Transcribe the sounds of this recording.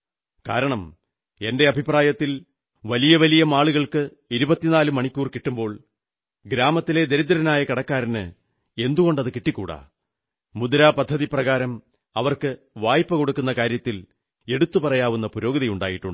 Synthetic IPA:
ka̰ːɾɐɳɐm | e̞nde̞ɐbʱipraːjɐt̪ːil | ʋɐlijɐʋɐlijɐmaːɭuɣɐɭkɨ | iɾubɐt̪ːinaːlumɐɳikʲːuːrkiʈːumbo̞ːɭ | ɡɾaːmɐt̪ːile̞d̪e̞ɾid̪ːɐɾɐnaːjɐkɐɽɐkːaːɾinɨ̰ | e̞nd̪uɣo̞ɳɖɐðɨkiʈːikʲːṵːɽa̰ː | mud̪ɐɾaːpɐd̪ʱːɐðiprɐɣaːɾɐm | ɐʋɐrkɨ | ʋaːjpːɐko̞ɽukːunːɐkaːɾjɐt̪ːil | e̞ɽut̪ːupɐrɐjaːʋunːɐpuɾo̞ːɣɐðɐjuɳɖa̰ːjiʈːuɳɖɨ

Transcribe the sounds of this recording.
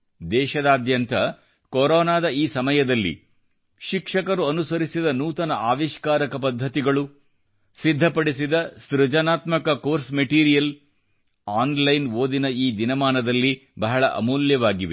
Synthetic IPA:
d̪ɛːʃɐd̪aːd̪jɐnt̪ɐ | koɾɔːnaːd̪ɐiːsɐmɐjɐd̪ɐlːḭ | ʃikʂɐkɐɾuɐnusɐɾisid̪ɐnuːt̪ɐnɐaːʋiʃkaːɾɐkɐpɐd̪ʱːɐt̪iɡɐɭu | sid̪ʱːɐpɐɽisid̪ɐst̪ɾud͡ʒɐnaːt̪mɐkɐkoːɾsmeʈiːɾijɐl | aːnlɐjnoːd̪inɐiːd̪inɐmaːnɐd̪ɐlːibɐɦɐɭɐʔɐ̰muːljɐʋaːɡiʋe

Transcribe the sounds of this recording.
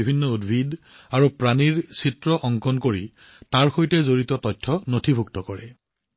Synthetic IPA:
ibʱinːɔudbʱid | aɹupɹaniɹsitɹɔʔɔŋkɔnkoɹi | taɹxojtɛzoɹitɔtɔtʰːɔnotʰibʱuktɔkɔɹɛ

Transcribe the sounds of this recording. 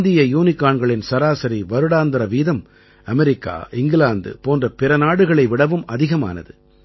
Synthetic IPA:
d̪ɪjɐjuːnɪkːaːɳɡɐɭɪnsɐɾaːsɐɾiʋɐɾɯɽaːnd̪ɐɾɐʋiːðɐm | ɐmɛɾɪkːa̰ːʔɪŋɡɪlaːnd̪ɯ̰poːndrɐpɪɾɐnaːɽɯɣɐɭɐɪʋɪɽɐʋɯmɐðɪɣɐma̰ːnɐ̰ðɯ

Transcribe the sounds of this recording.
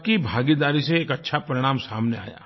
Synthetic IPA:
kibʱaːɡid̪aːɾiseeːkɐtːʃʰapɐɾɪɽ̃aːmsaːmnea̰ːja̰ː

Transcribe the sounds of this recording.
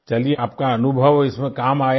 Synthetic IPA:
t͡ʃɐlieaːp̚kaɐnʊbʱəʋɪsmẽkaːmaːja

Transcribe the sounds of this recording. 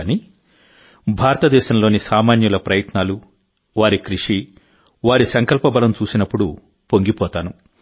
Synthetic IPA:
ni | bʱaːɾɐt̪ɐd̪ɛːʃɐmlo̞ːnisaːmaːnjulɐpɾɐjɐt̪naːlu | ʋaːɾikɾiʂi | ʋaːɾisɐŋkɐlpɐbɐlɐmt͡ʃuːsinɐpːuɽu | po̞ŋɡipɔːt̪aːnu

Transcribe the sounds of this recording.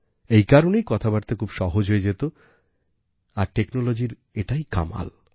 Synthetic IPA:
ejkaɾonejkɔt̪ʰabaɾt̪ekʰubʃɔɦod͡ʑɦoed͡ʑet̪o | aɾʈeknolod͡ʑiɾ | eʈajka̰ma̰l

